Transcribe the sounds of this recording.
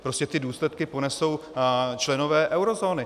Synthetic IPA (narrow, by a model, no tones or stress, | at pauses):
pɾoscɛt̪ɪduːslɛt̪kɪpo̞nɛso̞wt͡ʃlɛno̞vɛːʔɛwɾo̞zo̞ːnɪ